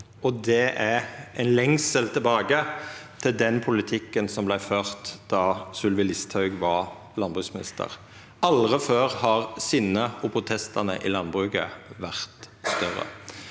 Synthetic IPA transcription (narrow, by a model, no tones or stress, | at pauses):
ɔd̪ɛʔæʔɛnlɛŋsəlt̪ʰɪlbɑːɡət̪ʰɪld̪ɛnpʰʊlɪt̪ʰɪkːənsɔmblæɪføːʁt̪d̪ɑsʉlʋɪlɪst̪ʰhɑʉɡʋɑ | lɑnbʁʉsmɪnɪ̰st̪ʰə̰ʁ | ɑlʁəføːʁhɑʁsɪnːəɔpʰʁʊt̪ʰɛst̪ɑnə̰ʔɪlɑnbʁʉɡə̰ʋæʁt̪st̪œʁə̰